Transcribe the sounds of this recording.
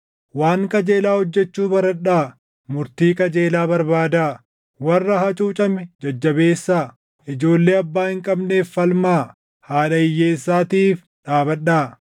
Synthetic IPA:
waːŋkʼɐd͡ʒe̞ːlaːhɔd͡ʒːɛt͡ʃːuːbɐɾɐɗːaː | mʊɾt̪iːkʼɐd͡ʒe̞ːlaːbɐɾbaːd̪aː | wɐrːɐɦɐt͡ʃʼuːt͡ʃʼɐmɪd͡ʒɐd͡ʒːɐbe̞ːsːaː | ʔɪd͡ʒo̞ːlːe̞ːɐbːaːhɪŋkʼɐbne̞ːfːɐlmaː | haːᶑɐɪjːeːsːaːt̪iːf | ᶑaːbɐɗaː

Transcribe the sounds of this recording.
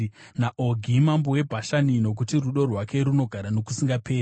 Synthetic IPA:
naʔo̞ɡʱimambowe̞bʱaʃanino̞k̬utiruɗo̞rwake̞ɾuno̞ɡʱaɾano̞kusiŋɡapʰe̞ːri

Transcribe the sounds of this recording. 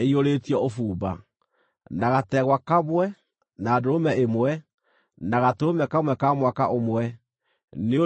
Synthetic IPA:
eioɾeːtiɔofuːba̰ | naɣatɛɣwakamwɛ | naːdoomɛemwɛ | naɣatomɛkamwɛkamwakaʔomwɛ | neo

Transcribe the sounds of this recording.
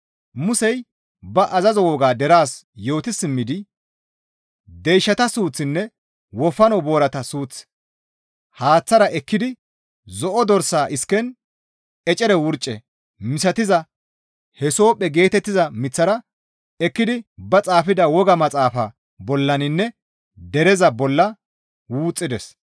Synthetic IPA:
mʊsɛj | bɐʔɐzɐzɔwɔɡaːd̪ɛɾaːsjo̞ːt̪ɪsːɪmːɪd̪ɪ | d̪ɛjʃːɐt̪ɐsuːt͡sːɪnːɛ | wɔfːɐnɔbo̞ːɾɐt̪ɐsuːt͡s | haːt͡sːɐɾɐʔɛkːɪd̪ɪ | zɔʔɔd̪ɔɾsaːʔɪskːɛn | ɛt͡ʃʼɛɾɛwʊɾt͡ʃʼːɛ | mɪsɐt̪ɪzɐ | hɛso̞ːpʼːɛɡe̞ːt̪ɛt̪ːɪzɐmɪt͡sːɐɾɐ | ɛkːɪd̪ɪbɐt͡sʼaːfɪd̪ɐwɔɡɐmɐt͡sʼaːfɐ̰ | bɔlːɐnɪnːɛ | d̪ɛɾɛzɐbɔlːɐ | wuːt͡sʼːɪd̪ɛs

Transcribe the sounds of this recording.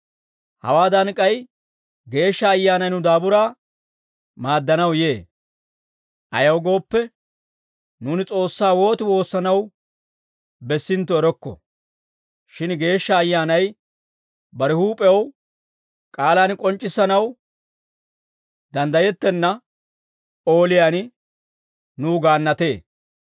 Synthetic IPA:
hɐ̰waːd̪ɐnkʼɐj | ɡe̞ːʃːɐːjːaːnɐjnʊd̪aːbʊɾaː | maːd̪ːɐnɐwje̞ː | ʔɐ̰jɐwɡo̞ːpːɛ | nuːnɪt͡sʼo̞ːsːaːwo̞ːt̪ɪwo̞ːsːɐnɐw | bɛsːɪnt̪ːɔɛɾɔkːɔ̰ | ʃɪnɡe̞ːʃːɐːjːaːnɐj | bɐɾɪhuːpʼɛjɐw | kʼaːlaːnkʼɔnt͡ʃʼːɪsɐnɐw | d̪ɐnd̪ɐjɛt̪ːɛnːɐ | o̞ːlɪjaːn | nuːɡaːnːɐt̪e̞ː

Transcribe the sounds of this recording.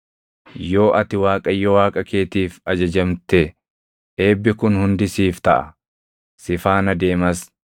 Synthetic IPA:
jo̞ːʔɐt̪ɪwaːkʼɐjːɔwaːkʼɐke̞ːt̪iːfɐd͡ʒɐd͡ʒɐmt̪ɛ | e̞ːbːɪkʊnhʊnd̪ɪsiːft̪ɐʔɐ̰ | sɪfaːnɐd̪e̞ːmɐs

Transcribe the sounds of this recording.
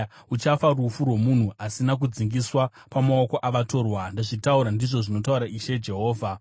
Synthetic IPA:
ut͡ʃafarufurwe̞mun̤uasinak̬ud͡ziŋɡiswa | pamaoko̞ʔaʋato̞ːrwandaʐitauɾandiʐo̞ʐino̞t̬auɾaʔiʃe̞d͡ʒe̞ɦo̞ːvʱa

